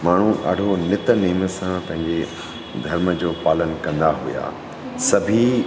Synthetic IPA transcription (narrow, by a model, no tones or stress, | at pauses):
maːɳ̤ũʔɐ̰ɖʱonɪt̪niːməsãpɐ̃ɦɪ̃ɲd͡ʑe | d̪ʱɐɾməd͡ʑoːpaːlənkɐ̃nd̪aɦuja̰ː | sɐbʱi